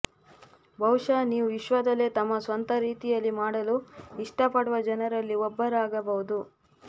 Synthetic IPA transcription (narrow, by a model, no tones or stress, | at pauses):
bʱɐwʂaːniːʋuiʃʋɐd̪ɐle̞t̪ɐmːɐsʋɐnt̪ɐɾiːt̪ijɐlːimaːɽɐluiʂʈɐpɐɽuʋɐd͡ʒɐnɐɾɐlːiɔbːɐɾaːɡɐbɐɦud̪u